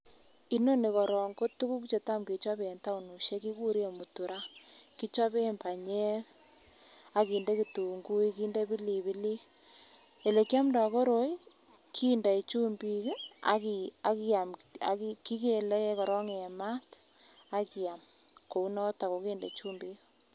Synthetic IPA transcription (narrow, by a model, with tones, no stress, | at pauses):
i˦no˦ne˨kɔ˨ɾɔ˨ŋɡo˦tu˦ku˦k̬t͡ʃe˨ta˦mke˨t͡ʃa˦pe˨nta˦u˨nu˨ʃe˦ki˦ku˦ɾi˦e˨mu˨tu˨ɾa˦ki˦t͡ʃa˦pe˦˨mpa˨ɲe˦ɾ | a˨ki˨nde˦ki˨tu˨ŋɡu˦i˦ki˦nde˦bi˦li˨bi˦li˦ | e˨le˨kja˦mda˨ko˦ɾo˦j | kʰi˦nda˨i˨t͡ʃu˦mbi˦ka̰˦ki˨a˨ki˦a˨ma̰˨ki˦ki˦ke˨le˦e˦kɔ˨ɾɔ˦ŋe˨ma˦t | a˦ki˨a˨m | ko˨u˦nɔ˦ta˨ko˨kiː˦ndḛ˨t͡ʃuː˦mbi˦k